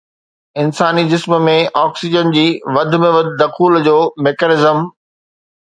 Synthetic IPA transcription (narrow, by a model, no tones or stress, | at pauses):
ɪnsaːnid͡ʑɪsm̆mẽʔɔːksɪd͡ʑənd͡ʑiːʋɐd̪ʱmẽʋɐd̪ʱɪd̪ɐxuːld͡ʑoːmeːkənɪzəm